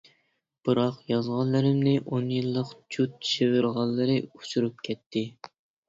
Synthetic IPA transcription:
b̥ɨɾɑqjɑzʁɑnlːˠɨɾɪmnɪʔonjilˠːəqd͡ʒut̪ːʃevɪɾʁɑlˠːɨɾɨu̥t͡ʃʰuɾup̚kʲʰɛt̪ʰːɪ

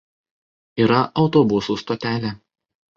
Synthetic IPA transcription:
iːɾɐʔɒʊt̪oːbʊsuːst̪oːt̪ʲæːlʲɛː

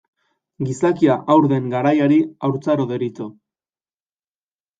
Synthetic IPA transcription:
ɡisakiaʔawɾðe̞ŋɡaɾajaɾiawɾt͡saɾoðe̞ɾit̪o

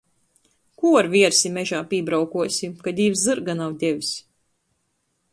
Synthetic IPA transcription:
kuaɾvʲiɛɾsʲimɛʒaːpiːbɾawkuɔsʲimkad̪ʲiːvzzɨɾɡanawd̪ʲɛʋʲisʲ

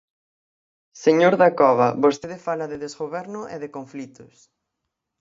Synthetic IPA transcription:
seɲoɾðakɔβɐβost̪eðɪfalɐðɪðezɣoβɛɾnʊʔḛðɪkoɱflit̪ʊs

